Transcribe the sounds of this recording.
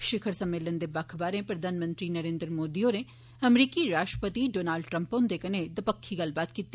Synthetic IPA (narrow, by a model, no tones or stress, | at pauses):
ʃɪkʰəɾsɐmːeːlənd̪ebɐkʰbaːɾẽpɾɐd̪ʱaːnmə̃nt̪ɾinəɾẽːnd̪ɾəmoːd̪ione | ɐmɾiːkiɾaːʃʈɾəpət̪iɖoːnaːlɖʈɾə̃mpõnd̪ekəned̪ɐpəkʰːiɡɐlbaːt̪kiːt̪ː